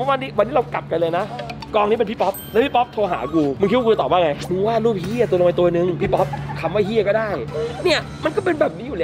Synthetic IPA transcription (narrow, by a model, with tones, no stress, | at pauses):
mɔ˦˥waː˧niː˦˥wa˧nːiː˦˥ɾa˧wka˨˩p̚ka˧nlɤː˧jna˦˥kɔː˧ŋniː˦˥pe˧npʰi˦˥pɔ˦˥p̚lpʰi˦˥˩pɔ˦˥p̚t̪ʰoː˧ɦa̰ː˩˦kuː˧mɯ˧ŋki˦˥˦kːu˧˩t̪ɔː˨˩aː˥˩ŋa˧jnuː˧waː˥˩nɾuː˥˩p̚hi˥˩ɐt̪u˧lʔa˧jt̪u˧ɐnɯ˧ŋpʰiː˦˥˩pɔ˦˥p̚kʰa˧mwaː˥˩ɦi˥˩ɐkɔ˥˩daː˥˩jni˥˩ɐ | ma˧nkɔː˥˩pe˧nbɛː˨˩p̚niː˦˥juː˨˩lɛː˦˩